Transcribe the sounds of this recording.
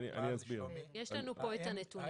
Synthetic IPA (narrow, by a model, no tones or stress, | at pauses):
niʔa̰niazbiʁjeʃlanupoet̪anet̪u